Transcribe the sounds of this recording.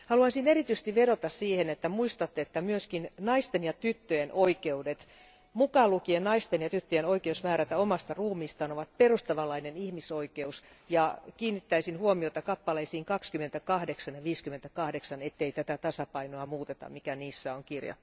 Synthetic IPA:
hɑluɑnsinerit̪yse̥st̪iʋeɾot̪ɑssiːhenet̪ːæmuist̪ɑt̪ːeet̪ːæmyøskinnɑist̪enjɑt̪yt̪ːøjenʔoikeudet̪ | mukɑlukiennɑist̪enjɑt̪yt̪ːøjenoikeusmæːɾæt̪æomɑst̪ɑruːmiːst̪ɑːnoʋɑt̪̚perust̪ɑʋɑlɑinenihmisoikeus | jɑkiːnːit̪ːæisinhuomiot̪ɑkɑpːɑleisiːŋkɑkskymːent̪ækɑhdeksɑnjɑʋiːskymːˑent̪ækɑhdeksɑnet̪ːeit̪æt̪æt̪ɑsɑpɑinoɑmuːt̪et̪ɑ̰mmikæniːsːæoŋkirjɑ̰

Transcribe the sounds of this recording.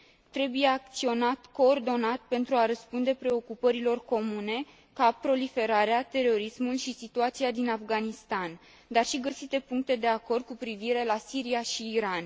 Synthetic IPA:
t̪ɾe̞buje̞ak̚t̪sio̞nat̪ko̞ːrd̪o̞nat̪pe̞nt̪ɾuaɾəspund̪e̞pɾe̞o̞kupəɾilo̞rko̞mune̞ | kapɾo̞life̞ɾaɾeat̪e̞ro̞ɾismulʃisit̪uat̪siad̪inafɡanist̪an | d̪arʃiɡəsit̪e̞puŋk̚t̪e̞d̪e̞ako̞rd̪̚kupɾiviɾe̞lasiɾiaʃiːɾan

